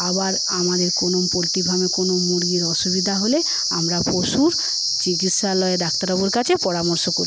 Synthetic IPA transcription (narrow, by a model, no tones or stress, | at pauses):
abaɾ | amad̪eɾkonompolʈibʱamekonomuɾɡiɾɔʃubid̪ʱaɦole | amɾapoʃuɾ | t͡ɕiɡit̪ʃalɔed̪ak̚t̪aɾɔboɾkat͡ɕʰepɔɾamoɾʃokoɾ